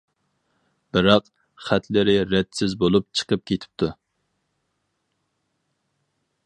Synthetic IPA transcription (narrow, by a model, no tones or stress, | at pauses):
b̥ɨɾɑq | χæt̪ʰlɪɾɪɾɛt̪sɪzbolˠup̚t͡ʃʰə̥qʰəp̚kʲet̪ʰɪ̥p̚t̪ʰu